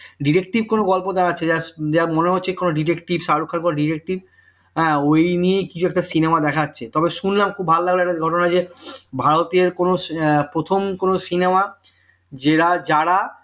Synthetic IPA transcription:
ɖiɾek̚ʈib̚konoɡɔlpod̪ɛkʰatːɕʰed͡ʑad͡ʑamoneɦotːɕʰekonoɖiʈekʈibʃaɾokʰːaɾkonoɖiɾek̚ʈib | ɦɛ̃ːojniejkit͡ɕʰuɛk̚ʈasinemad̪ɛkʰatːɕʰet̪ɔbeʃunlamkʰubʱalolaɡloɛkʈaɡʱɔʈonad͡ʑebʱaɾot̪eɾkonopɾot̪ʰomkonosinema | d͡ʑeɾad͡ʑaɽa

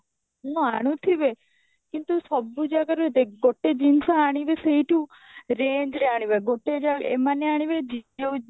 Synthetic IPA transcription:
nɔ̃aɽ̃ũt̪ʰiʋe | kint̪usɔbːud͡ʒakəɾuet̪eɡoʈːed͡ʒinsaaɽ̃iʋesəɦiʈũ | ɾeːnd͡ʒɾeaɽ̃iʋeɡoʈːed͡ʒaḛmaneaɽ̃iʋed͡ʒid͡ʒeu

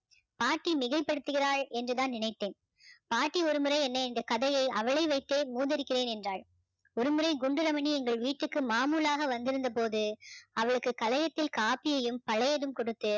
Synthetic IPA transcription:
paːʈːimɪɣɐɪpːɐɽɯt̪ːɯɣɪraːɭɛndrɯðaːnnɪɳɐɪt̪ːeːn | paːʈːiɔɾɯmɯɾɐɪɛnːɐɪnd̪ɐkɐðɐjɐɪʔɐʋɐɭɐɪʋɐɪt̪ːeːmuːðɐɾɪkːɪreːnɛndraːɭ | ɔɾɯmɯɾɐɪɡʊɳɖɯɾɐmɐniɛŋɡɐɭʋiːʈːɯkːɯmaːmuːlaːɣɐʋɐnd̪ɪɾɯnd̪ɐpoːðɯɐʋɐɭɯkːɯkɐlɐjɐt̪ːɪlkaːpɪjɐjɯmpɐɭɐjɐðɯmkɔɽɯt̪ːɯ

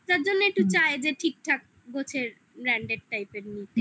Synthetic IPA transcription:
t̪aɾd͡ʑonːoek̚ʈut͡ɕaed͡ʑeʈʰik̚ʈʰak̚ | ɡot͡ɕʰeɾ | ɾɛɳɖeɖ̚ʈajpeɾnit̪e

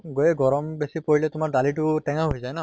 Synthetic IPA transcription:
ɡojɛɡɔɹɔmbesipoɹilɛtʊmaɹdalit̬ʊtɛŋaɦojzajna

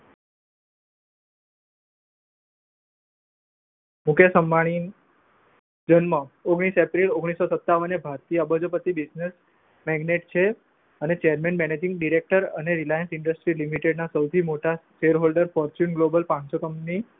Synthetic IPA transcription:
mukʰjəsəmːaɽ̃in | d͡ʒənməoɡɽ̃isepɾiloɡɽ̃isːosət̪ːaʋənebʱaɾt̪ijəːbəd͡ʒopət̪ibid͡ʒnes | mɛɡneʈt͡ʃʰe | ənet͡ʃejəɾmenmɛned͡ʒɪ̃ŋɡɖiɾek̚ʈəɾə̰neɾilajənsɪɳɖəsʈɾilimiʈeɖnasəwt̪ʰimoʈaʃeɾɦolɖəɾfɔɾt͡ʃunɡlobəlpãnsokəmni

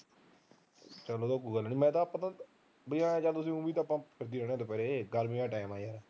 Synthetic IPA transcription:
t͡ʃəloːd̪oːkːuːɡəlːniːmɛ̃ːt̪ãːpːə̃t̪ãː | bəiãːt͡ʃaːlt̪ʊs̬ĩːũːbiːt̪ãːpːãːkʰɪɾd̪iːɾɛːɽ̃ẽãːt̪oːpɛːɾeɡəɾmĩːãːʈaːɪmaːjaːɾɛ

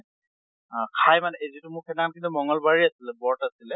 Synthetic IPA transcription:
kʰajmanɛezitʊmʊkʰɛdaŋankinumɔŋɔlbaɹiasilɛbɔɹtasilɛ

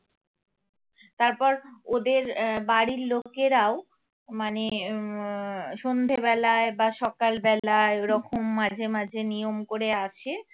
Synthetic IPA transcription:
t̪aɾpɔɾod̪eɾbaɽiɾlokeɾao | mane | ʃond̪ʱebɛlaebaʃɔkalbɛlaeɾɔkʰomːad͡ʑʱemad͡ʑʱenijomkoɾeaʃʰe

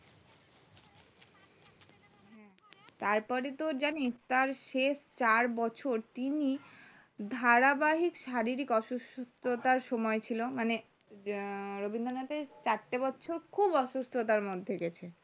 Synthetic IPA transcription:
ɦɛ | t̪aɾpɔɾet̪oɾd͡ʑanist̪aɾʃeʃt͡ɕaɾbɔt͡ɕʰoɾt̪ini | d̪ʱaɾabaɦikʃaɾiɾikɔʃust̪ʰot̪aɾʃɔmɔet͡ɕʰilomane | ɾobind̪onat̪eɾt͡ɕaɾʈebɔːt͡ɕʰoɾkʰubɔʃust̪ʰot̪aɾmod̪ʱːeɡɛt͡ɕʰe

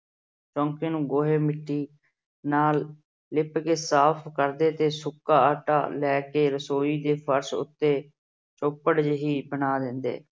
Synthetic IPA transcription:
t͡ʃɔ̃ːŋkeːnũːɡoːɦeːmɪʈːiː | naːlː | ɪpkeːsaːpʰkəɾd̪eːt̪eːsʊkːaːaːʈa̰ːlɛːkeːɾəsoːiːd̪eːpʰəɾsʊ̰t̪ːeː | t͡ʃoːpəɽd͡ʒɦiːbənaːd̪ɪnd̪ḛː

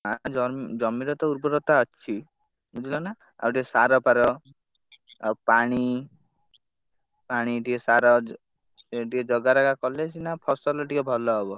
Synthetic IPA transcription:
ɦad͡ʒɔd͡ʒɔmiɾɔt̪ɔuɾbɔɾɔt̪aɔt͡ʃʰi | mud͡ʒ̪ilɔna | a̰ɔʈiɔsaɾɔpaɾɔ | paɽ̃i | paɽ̃iʈiɔsaɾɔ | ʈikɔd͡ʒɔɡaɾaɡakɔlesinapʰɔsɔlɔʈikɔbʱɔlɔɦɔbɔ

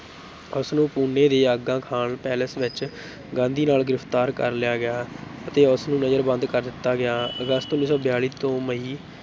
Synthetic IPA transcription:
ʊsnũːpuːnːeːd̪eːaɡãːkʰaːɳpɛːləsʋɪt͡ʃ | ɡãːnd̪iːnaːlɡɪɾɪft̪aːɾkəɾlɪjaːɡɪjaːət̪eːʊsnũːnəzəɾbə̃nd̪kəɾd̪ɪt̪ːaːɡɪjaːəɡəst̪ʊnːiːsɔːbɪjaːɭiːt̪õːməiː

